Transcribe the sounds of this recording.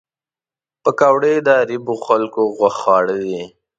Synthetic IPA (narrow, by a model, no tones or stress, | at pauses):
pəkawɽed̪əaɾiboxalkoɣwaxɑɽəd̪i